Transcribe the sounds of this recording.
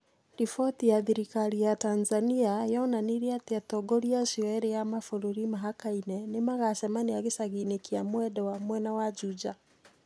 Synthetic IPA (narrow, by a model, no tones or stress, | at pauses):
difɔtijaðiɾikaɾijatanzaniajɔnaniɾiatiatɔɡɔɾiaʃiɔɛɾɛjamafuɾuɾimaɦakainɛnemaɣasɛmaneaɣesaɣinekiamwɛdɛwamwɛnawad͡ʒud͡ʒa